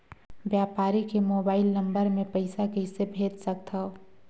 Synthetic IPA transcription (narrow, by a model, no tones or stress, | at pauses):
bjaːpaːɾikemoːbaːɪlnɐ̃mbəɾmẽpɐɪsakəɪsebʱeːt̪sək̚t̪ʰao